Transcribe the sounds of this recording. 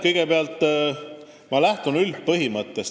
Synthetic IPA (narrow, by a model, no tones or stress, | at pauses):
kɤjɡ̥epeɑlt̪ˑː | mɑlæht̪unyl̚pɤɦimɤt̪ːˑes